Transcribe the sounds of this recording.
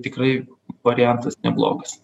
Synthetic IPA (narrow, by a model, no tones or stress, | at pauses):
t̪ʲɪkɾɐɪ | ʋɐɾʲɪjɛnt̪ɐsnʲɛblˠo̰ːɡɐs